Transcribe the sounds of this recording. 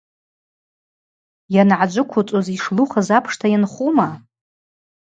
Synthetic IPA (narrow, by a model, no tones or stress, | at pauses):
janʕad͡ʒʷʊkʷʰʊt͡sʼoziʂluχazapʰʂtʰajanχuma